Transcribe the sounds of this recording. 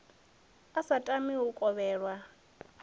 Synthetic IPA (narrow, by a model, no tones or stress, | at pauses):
asatʼamiukʼɔβɛːɺwa